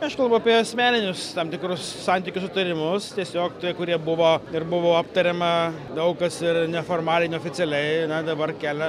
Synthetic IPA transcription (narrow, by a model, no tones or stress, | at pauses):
ɐʃkɐlˠbɐʊɐpʲiɛɐsʲmʲæːnʲɪnʲʊst̪ɐmt̪ʲɪkɾʊsːɑnʲt̪ʲiːkʲʊsʊt̪ɐɾʲɪmʊst̪ʲiɛsʲoːk̚t̪ʲiɛkʊɾʲiɛbʊʋoːɪɾbʊʋoːɐpt̪ɐɾʲɛmɐ | d̪ɐʊkɐsɪrnʲɛfoːrmɑːlʲɛɪnʲɛoːfʲɪt͡s̪ʲɛlʲɛɪnʲɛd̪ɐbɐrkʲæːlʲɛ